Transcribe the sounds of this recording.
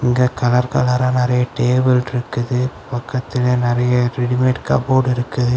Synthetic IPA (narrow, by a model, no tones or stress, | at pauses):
ɪŋɡeːkɐlɐɾkɐlɐɾaːnɪɾɐjɐʈeːbɪlɪɾɯkːɯðɯpɐkːɐt̪ːɪleːnɪɾɐjɐɾɪɽmeːʈkɐboːɽɪɾɯkːɐðɯ